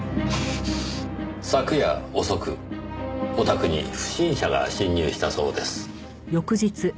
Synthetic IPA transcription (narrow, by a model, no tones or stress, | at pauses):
sakɯ̟jaoso̞kɯ̟ | o̞t̪akɯ̟ɲ̟ḭɸɯ̟̥ɕĩɰ̃ɕaɡa̰ɕĩɲːɨːɕi̥t̪aso̞̰ːd̪e̞sɨ̥ | jo̞kɯ̟ʑit͡sɨ